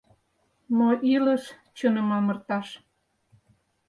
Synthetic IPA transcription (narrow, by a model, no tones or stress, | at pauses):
moʔiləʃ | t͡ɕənə̆mɑmə̆rt̪ɑʃ